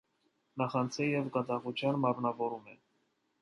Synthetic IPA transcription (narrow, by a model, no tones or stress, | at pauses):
nɑχɑnt͡sʰɛjɛvɡɑd̪ɑʁut͡ʃʰjɑnmɑɾnɑvɔɾumɛ̰